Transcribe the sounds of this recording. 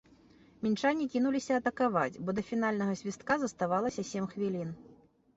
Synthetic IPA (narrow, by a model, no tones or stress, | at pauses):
mʲint͡ʂanʲːikʲinulʲisʲɐːt̪ɐkavat͡sʲbɔd̪ɐfʲin̪alʲnɐɣɐzʲvʲist̪̚kazɐst̪avalˠɐsʲɐsʲemxvʲilʲin